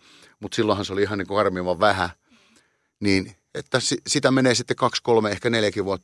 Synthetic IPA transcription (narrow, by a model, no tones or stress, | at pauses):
mut̪silːõhɑnseoliiɦɑniːkoɑrmiːʋɑʋʋæhæ | niːn | et̪ːæsisit̪æmeneːsit̪ːekkɑkskolmeehkæneljækiʋʋuot̪ː